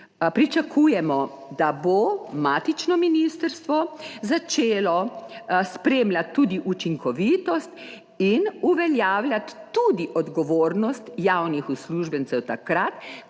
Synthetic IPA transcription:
pɾit͡ʃakʰujɛmɔ | d̪abomaːt̪it͡ʃnɔminist̪əɾst̪ʋɔzat͡ʃeːlɔspɾemlʲat̪ːuːd̪iʔut͡ʃiŋkɔʋiːt̪ɔst̪ | inuʋɛljaːwlʲjat̪ːud̪iʔɔd̪ɡɔʋoːɾnɔst̪jawnixusluʒbənsɛwt̪akɾat̪

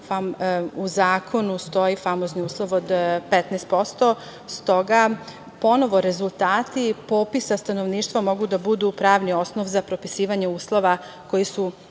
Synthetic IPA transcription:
fauzaːkʰo̞nust̪o̞jifamozniuːslˠoʋod̪pet̪nɛst̪po̞st̪o̞ | st̪o̞ɡa | po̞no̞ʋo̞ɾe̞zulˠt̪aːt̪ipo̞ːpisast̪ano̞ʋniːʃt̪ʋamo̞ɡud̪abud̪upɾaːʋnio̞sno̞ʋzapɾo̞pisiːʋaɲeuːslˠo̞ʋa | ko̞jisu

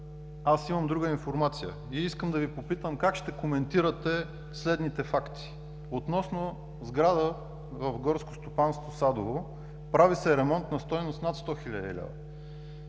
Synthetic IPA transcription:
asimɐmd̪ɾuɡəinfoɾmat̪sijə̰ | iiskəmd̪ɐvipopit̪əmkakʃt̪ɛkomɛnt̪iɾət̪ɛ | slɛd̪nit̪ɛfakt̪i̥ | ot̪nɔsno | zɡɾad̪ə | vəfɡɔɾskost̪opanst̪vosad̪ovo | pɾavisɛɾɛmɔnt̪nɐst̪ɔjnost̪nat̪st̪ɔxilʲad̪ɛ̰lʲɛ̰və̰

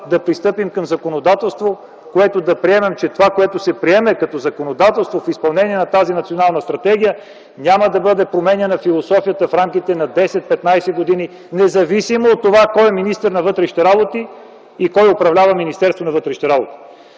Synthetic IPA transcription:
d̪ɐpɾist̪ɤpimkɐmzɐkonod̪at̪ɛlˠst̪vo | koɛt̪od̪ɐpɾiɛmɛmt͡ʃɛt̪ovakoɛt̪ʊsɛpɾiɛmɛkɐt̪ɔzɐkonod̪at̪ɛlˠst̪vofispɐlˠnɛniɛnɐt̪azinɐt̪sionalˠnəst̪ɾɐt̪ɛɡ̟ijə | nʲaməd̪ɐbɤd̪ɛpɾomɛnʲiənɐfilˠosɔfijət̪əfɾamkit̪ɛnɐd̪ɛsɛt̪̚pɛt̪najsɛɡod̪ini | nɛzɐvisimoːt̪ːovakɔjɛminist̪əɾnɐvɤt̪ɾɛʃi̥t̪ɛɾabot̪iː | kɔjopɾɐvlʲavəminist̪ɛɾst̪vonɐvɤt̪ɾɛʃi̥t̪ɛɾabot̪i̥

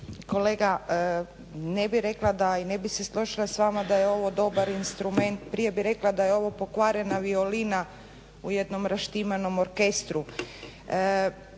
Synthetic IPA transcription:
ko̞leɡa | nebiɾe̞klˠad̪aine̞bise̞slˠoʒilasʋaːmad̪ajeo̞ʋo̞d̪o̞baɾinst̪ɾume̞nt̪pɾije̞biɾe̞klad̪ajeo̞ʋo̞po̞kʋaːɾe̞naʋio̞lina | uje̞d̪no̞mɾaʃt̪imano̞mo̞ɾke̞st̪ɾu

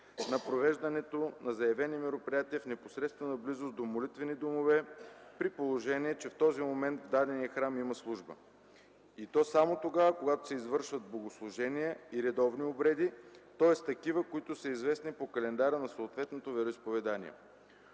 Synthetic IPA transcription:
nɐpɾovɛʒd̪ɐnɛt̪onɐzɐɛvɛnimɛɾopɾijat̪iəfnɛpo̥sɾɛt̪st̪vənɐblizʊsd̪omolit̪vɛnid̪omovɛpɾipolˠoʒɛniɛt͡ʃɛft̪ɔzimomɛnt̪vd̪ad̪ɛnijɐxɾamimɐslˠuʒbə̰ | it̪ɔsamot̪oɡakoɡat̪o̥sɛizvɤɾʃvɐt̪̚bloɡoslˠʊʒɛnijəiɾɛd̪ɔvniobɾɛd̪it̪ɔɛst̪ɐkivəkoit̪ʊsəizvɛsnipokɐlɛnd̪aɾənɐsoːt̪vɛt̪not̪ovɛɾoispovɛd̪anḭɛ̰

